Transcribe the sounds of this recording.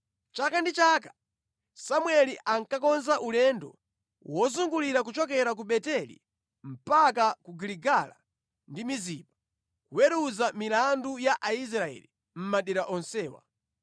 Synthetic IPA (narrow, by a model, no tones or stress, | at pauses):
t͡ʃakandit͡ʃakḁ | samwɛliʔaŋkakɔnzaʔulɛndɔ̰ | wɔzuŋɡuliɾak̬ut͡ʃɔkɛɾak̬uɓɛtɛlḭ | m̩pakakuɡiliɡala̰ | ndimiziːpḁ | kuwɛɾuzamilandujaʔais̬ɾaɛ̰li | m̩maɗɛɾaʔɔnsɛːwa̰